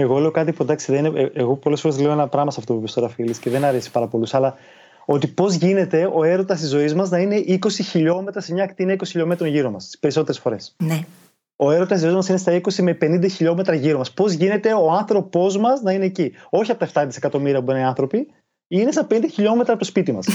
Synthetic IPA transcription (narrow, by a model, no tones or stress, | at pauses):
e̞ɣo̞le̞okɐt̪ipud̪ɐksiðeineeeɣo̞po̞lesfoe̞zleoenɐpɾɐmɐsɐft̪opupist̪oɾɐfilisce̞ðe̞nɐɾe̞si̥pɐɾɐpo̞lusɐlɐ | o̞t̪ipo̞zʝine̞t̪e̞o̞e̞ɾo̞t̪ɐst̪izo̞izmɐznɐine̞ʔiko̞siçiʎo̞me̞t̪ɾɐsemɲɐːkt̪iinɐiko̞siçiʎo̞me̞t̪ɾo̞nʝiɾo̞mɐst̪i̥spe̞ɾiso̞t̪eɾesfo̞ɾe̞sne | o̞e̞ɾot̪ɐst̪izoizmɐsine̞st̪ɐikosime̞pe̞nind̪ɐçiʎo̞me̞t̪ɾɐʝiɾo̞mɐspo̞zʝine̞t̪e̞o̞ɐnθɾo̞po̞zmɐsnɐine̞ːcio̞çiɐpo̞t̪ɐeft̪ɐt̪ise̞kɐt̪o̞miɾiɐpuenɐiɐnθɾo̞pi | ine̞sɐpenind̪ɐçiʎo̞me̞t̪ɾɐpot̪o̞spit̪imɐs